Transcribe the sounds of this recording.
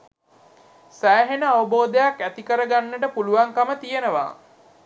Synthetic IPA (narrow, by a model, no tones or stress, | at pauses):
sæːɦenəaʋəboːd̪əjakːæt̪ikəɾəɡanːəʈəpuluʋaŋkamət̪ijenəʋa̰ː